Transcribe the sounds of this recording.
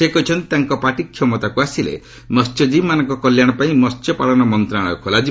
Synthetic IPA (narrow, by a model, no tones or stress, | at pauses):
ekɔɦit͡ʃʰɔnt̪it̪aŋkɔpaʈikʰːjɔmɔt̪akuasilḛ | mɔst͡ʃɔd͡ʒimanɔŋkɔkɔljaɽ̃ɔpaĩnɔst͡ʃjɔpaɭɔnɔmɔnt̪ɾaɽ̃ɔ̰kʰɔlad͡ʒi